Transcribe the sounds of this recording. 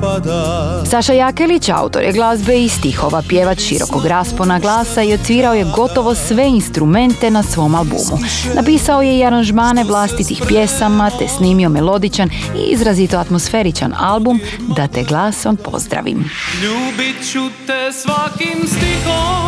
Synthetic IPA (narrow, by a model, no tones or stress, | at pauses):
saʃajakelit͡ɕa̰ut̪o̞̰ɾjeɡlˠazbeist̪ixo̞ʋapjeʋat͡ʃʃḭɾo̞̰koɡɾaːsponaɡlˠaːsaiot̪sʋiːɾao̞je̞ɡo̞t̪o̞ʋo̞sʋe̞inst̪ɾume̞nt̪e̞nasʋo̞malˠbṵːmṵnʔapiːsao̞je̞iaɾanʒmaːne̞ʋlˠast̪it̪ixpje̞samat̪esniːmio̞melˠo̞d̪it͡ɕanḭḭzɾazit̪oat̪mo̞sfe̞ɾit͡ʃa̰nalˠbumd̪at̪eɡlˠaːsonpo̞̰zd̪ɾa̰ʋḭmʎuːbit͡ʃut̪esʋakimst̪ixo